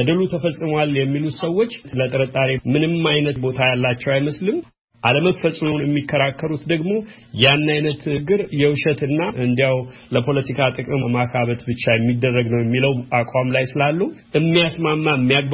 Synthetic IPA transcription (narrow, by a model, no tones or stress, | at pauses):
əd̪əlut̪ʰəfəsʼːɨmowaljɛmːilut̪səwːo̞t͡ʃːt̪lət̪ʼəɾət̪ʼaɾimɨnɨmːajnət̪bo̞t̪ʰajalːat͡ʃːɛwajməslɨm | ʔaləməfəsʼmənjɛmːikʰːəɾakʰːəɾut̪d̪əɡmo̞ | janːajnət̪ɡːɨɾjɛwʃət̪ɨnːaɨnd̪ijawləpʰo̞lət̪ʰikʰat̪ʼɨkʼɨmmakʰaβət̪bɨt͡ʃːajɛmːid̪ːərːəɡnəwjɛmːiləwʔakʼwamlajsɨlalːuhʔɨmːijasmamːaɨmːijak̚